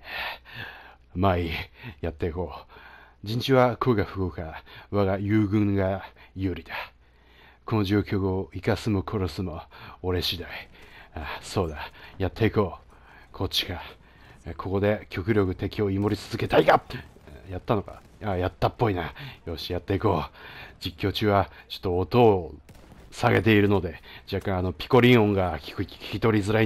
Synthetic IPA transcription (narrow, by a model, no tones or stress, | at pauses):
e | maijat̪ːeiko̞ː | d͡ʑĩɲ̟t͡ɕiβakʰoɡaɸɯ̟kokaβaɡajɯ̟ːɡɯ̟̃ŋɡajɯ̟ːɾʲit̪ḁ | kʰo̞noʑoːkʲo̞kɯoikasɨmokʰo̞ɾosɨmooɾe̞ɕid̪aiaso̞ːd̪ajat̪ʰːe̞iko̞ː | kʰo̞t͡ɕːi̥ka | kʰo̞ko̞d̪e̞kʲo̞kɯ̟ɾʲo̞kɯ̟t̪e̞kʲio̞imo̞ɾʲit͡sɨzɨket̪aika | jat̪ːano̞ka̰ | ajat̪ːapːo̞inajo̞ːɕijat̪ːe̞iko̞ːd͡ʑikʲːo̞ːt͡ɕɨːβat͡ɕo̥t̪ːoːt̪o̞ː | saɡe̞t̪e̞iɾɯ̟no̞d̪e̞d͡ʑakːãano̞pʲi̥ko̞ɾʲĩɰ̃õ̞ŋɡḁkkʲi̥kʲi̥t̪o̞ɾʲizɨɾai